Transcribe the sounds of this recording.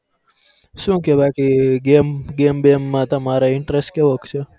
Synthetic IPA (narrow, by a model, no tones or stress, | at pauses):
ʃũːkebakiɡemɡembemːãt̪əmaɾaɪɳʈɾesʈkeʋəkt͡ʃʰe